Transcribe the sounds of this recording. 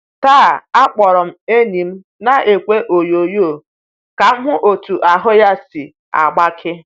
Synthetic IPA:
taː˦˨a˦k͡pɔ˨ɾɔ˨m̩˦e˦ni˨m̩˦ | na˦ʔe˨kʷe˦ʔo˨jo˨jo˦˨ | ka˨m̩˦ɦʊ˦ʔo˨tu˨ʔa˨ɦʊ˦ja˦si˨ | a̰˨ɡ͡ba˦kʰɪ˦

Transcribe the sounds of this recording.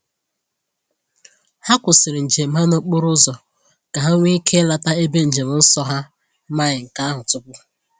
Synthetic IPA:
ha˦kʷʊ˨sɪ˨ɾɪ˨n̩˨d͡ʒe˨m̩˦ɦa˦no˦k͡po˦ɾʊ˦zɔ˨ | ka˨ɦa˦ŋʷi˦kʰe˦la˨ta˦e˦be˦n̩˨d͡ʒe˨mʊ˨n̩˦sɔ˦ɦa˦ | ma˦ɲɪ˨ŋ̩˨ka˦a˦ɦʊ˨tʊ˦pʊ˦

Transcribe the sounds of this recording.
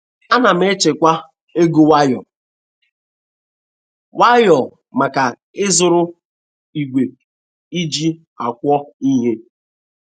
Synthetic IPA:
a˦na˨m̩˦e˦t͡ʃe˨kʷa˦ | e˦ɡu˦wa˦jɔ˨ | wa˦jɔ˨ | ma˨ka˨ | ɪ˦zʊ˨ɾʊ˦ | i˨ɡʷe˨ | i˦d͡ʒi˦ | a˨kʷɔ˦i˦ɦe˦

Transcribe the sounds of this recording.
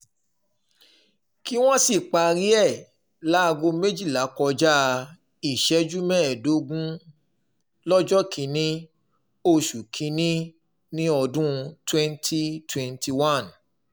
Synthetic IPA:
ki˦w̃ɔ̃˦si˦˨k͡pa˧ɾi˦ɛ˦˨ | la˨˦˧ɡo˧me˦d͡ʒi˦˨la˨˦kɔ˧d͡ʒa˦˧ | i˦˨ʃɛ˨˦d͡ʒu˦mɛ̃˦ɛ˨do˨˦ɡũ˦ | lɔ˦d͡ʒɔ˦kʰĩ˨˧˦nĩ˦ | o˧ʃu˨kʰĩ˨˦nĩ˦ | nĩ˦ɔ˧dũ˦twɛ̃˦ntʰi˦twɛ̃˧nti˧wã˦˨n

